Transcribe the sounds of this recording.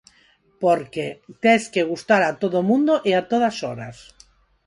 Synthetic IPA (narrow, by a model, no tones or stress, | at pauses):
poɾket̪eskeɣ̞ust̪aɾat̪oðomũnd̪oʔeat̪oðasɔɾas